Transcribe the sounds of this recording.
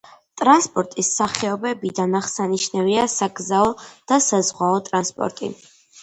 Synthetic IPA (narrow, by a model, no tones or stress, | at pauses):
t̪ʼɾanspʼɔɾt̪ʼisaχɛɔbɛbid̪anaχsaniʃnɛviasaɡzaɔd̪̥asazʁwaɔt̪ʼɾanspʼɔ̰ɾt̪ʼḭ